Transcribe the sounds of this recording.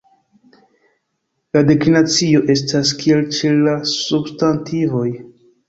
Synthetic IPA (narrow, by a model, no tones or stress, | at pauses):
ladekinat͡sio̞ʔe̞s̬taskie̞lt͡ʃelːasubstantʰivo̞j